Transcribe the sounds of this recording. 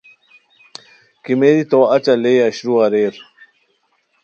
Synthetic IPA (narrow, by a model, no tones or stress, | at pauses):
kimeːdit̪oːɐt͡ɕɐlejɐɕɾuɐɾeːɾ